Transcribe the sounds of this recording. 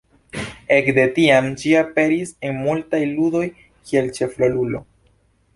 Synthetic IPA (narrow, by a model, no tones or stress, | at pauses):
e̞kde̞tiamd͡ʒiape̞ɾisenmultajludo̞j | kʰie̞lt͡ʃe̞flolulo̞̰